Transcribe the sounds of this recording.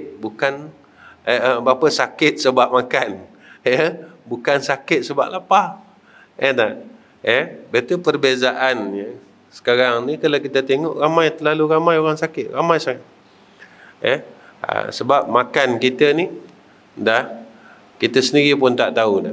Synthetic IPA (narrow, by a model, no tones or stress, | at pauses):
bukan | əəbapəsakɪt̪̚səbaʔ̚makan | jəbukansakɪt̪̚səba̰ʔlapa | ənaʔ | jəbat̪upərbezaʔanjə | sə̥kaɾaŋnikalawkit̪ət̪eŋɔʔɾamajt̪əlaluɾamajoɾaŋsakɪʔ̪̚ɾamajsaŋat̚ | jə | ə̰səbap̚makankit̪əni | dah | kit̪əsəndiɾip̬ʊnt̪aʔt̪auda̰